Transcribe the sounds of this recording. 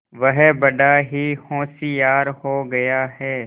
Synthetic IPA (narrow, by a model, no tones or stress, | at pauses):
ʋɐɦbɐɖaɦihõːsijaːɾhoɡɐjaɦɛː